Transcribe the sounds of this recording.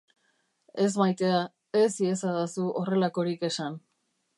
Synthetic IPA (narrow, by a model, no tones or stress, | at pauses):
e̞zmajt̪e̞a | esiesaðasuʔo̞re̞lako̞ɾike̞san